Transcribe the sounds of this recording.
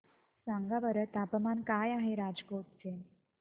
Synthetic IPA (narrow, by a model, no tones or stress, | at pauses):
sãŋɡaʋəɾət̪apmankajaɦeɾad͡zkoʈ̚t͡sen